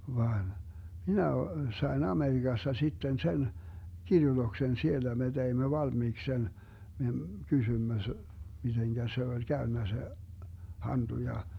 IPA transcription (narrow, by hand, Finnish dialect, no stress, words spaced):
ʋɑːn minæ o sɑi̯n ɑmeriɡ̊ɑstɑ sitːen sen kirjutoksen sielːæ me teimːø ʋɑlmiːks sen me kysymːø s miteŋkæ se olʲ kæønːæ se hɑnd̥u jɑ